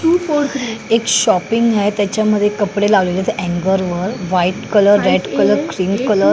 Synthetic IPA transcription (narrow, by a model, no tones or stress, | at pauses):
ufoekɕɔpiŋɡaet̪jat͡ɕjaməd̪ʱːjekəpɽelaʋlelat̪ʔɛ̃ŋɡəɾʋəɾʋaiʈkələɾːeɖkələɾkɾiːnkələɾ